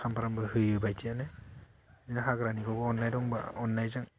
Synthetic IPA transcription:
sampaɾambɯɦɯjɯbajtʰiane | inaɦaɡɾaniɡɔbɔɔnːajdɔŋba̰ɔnːajzaŋ

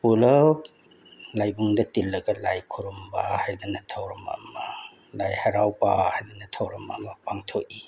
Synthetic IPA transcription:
pulɐ | lajbuŋdɐtilːɐɡɐlajkʰuɾumbahajd̪ɐnɐtʰɐwɾɐmɐ̰mɐ | lajhɐɾawpahajd̪ɐnɐtʰɐwɾɐmɐ̰mɐpaŋtʰoʔ̚i

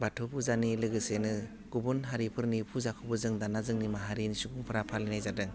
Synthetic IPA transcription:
batʰobuzanilɯɡɯsenɯ | ɡ̥ubunɦaɾipʰɯɾnipʰuzakʰɔbɯzɯŋdanazɯŋnimaɦaɾinisuɡuŋpʰɯɾapʰalinajzadɯŋ

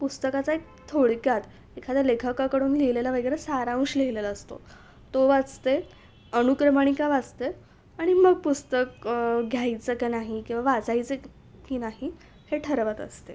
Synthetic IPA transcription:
pust̪əkat͡saek̚ | t̪ʰoɽkjat̪ | ekʰad̪əlekʰəkakəɽuːnlejlelaʋəɡɾesaɾaũɕleilelaəst̪o̰ | t̪oʋad͡zt̪e | ənukɾəmaɳ̃ikaʋad͡zt̪e | aɽ̃iməɡ̚pust̪əkɡʱjajt͡səkanaɦikĩw̃ʋaʋad͡zajt͡sə | kiːnaɦi | heʈʰəɾʋət̪ə̰st̪e

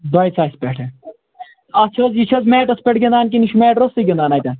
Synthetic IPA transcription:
d̪ɐjt͡sʰaːspʲeʈʰe | ɐt͡ʃʰɐzjit͡ʃʰɐzmeːʈɐspʲeʈɡʲɐnd̪aːnk̬iniʃʰumeːʈɾosiɡʲɐnd̪aːnaːjt̪ʲɐn

